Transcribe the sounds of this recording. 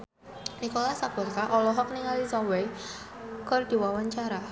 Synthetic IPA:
nikolasab̥ɔrkaʔɔlɔɦɔk̚niŋalisɔwe | kɔrd̪̥i̤wawaɲt͡ʃaɾa

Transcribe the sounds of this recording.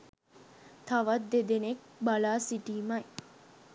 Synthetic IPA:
t̪aʋat̪d̪ːed̪enek̚balaːsiʈiːmaj

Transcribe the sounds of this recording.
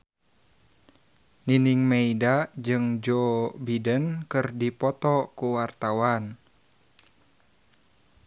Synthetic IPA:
niniŋmeidad͡ʒɨŋd͡ʒobidənkɨrdipɔt̪ɔkuwart̪awan

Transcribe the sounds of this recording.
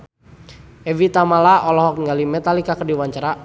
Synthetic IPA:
ɛvit̪amalaʔɔlɔɦɔk̚ŋɡalimɛt̪alikakərdiwaɲt͡ʃaɾa

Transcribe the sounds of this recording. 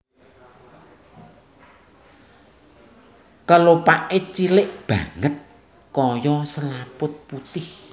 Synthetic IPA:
kəlopaʔet͡ʃilɪʔb̥a̤̰ŋət̪̚ | kɔjɔsəlapʊt̪̚put̪ɪh

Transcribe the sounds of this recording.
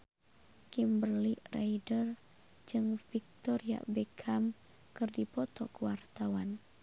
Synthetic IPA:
kimbərliraidər | d͡ʒɨŋfik̚t̪ɔɾia̰bɛkʰam | kɨrdipɔt̪ɔ̰kəwart̪awan

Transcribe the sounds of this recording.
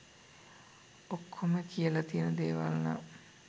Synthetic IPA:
okʰːoməkijəlat̪ijənəd̪eːʋa̰lna̰

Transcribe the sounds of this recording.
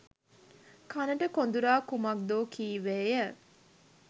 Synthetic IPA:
kʰanəʈəkond̪uɾaːkumɐk̚d̪oːkʰiːʋeːjə

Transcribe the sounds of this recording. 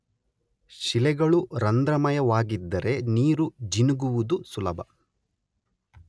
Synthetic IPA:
ʃilɛɡɐɭuɾɐnd̪ɾɐmɐjɐʋaːɡid̪ːɐɾe̞niːɾud͡ʒinuɡuʋud̪usulɐbʱɐ

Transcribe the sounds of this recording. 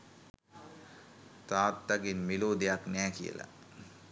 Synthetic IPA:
t̪aːt̪ːaɡenmiloːd̪ejaknæːkijə̰la̰

